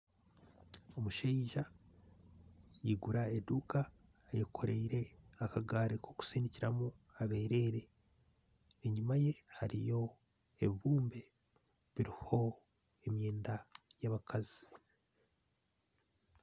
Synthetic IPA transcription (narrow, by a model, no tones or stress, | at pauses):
o̞muʃeiʒa | jiɡuɾaeduka | jekʰo̞ɾeiɾe̞akaɡaːɾekʰo̞ku̥siniciɾamuaβe̞ːɾe̞ːɾe̞ | ɲumaje̞haɾijo̞ | eβiβuːmbe̞ | βiɾiho̞ | emjeːndajaβakazi̥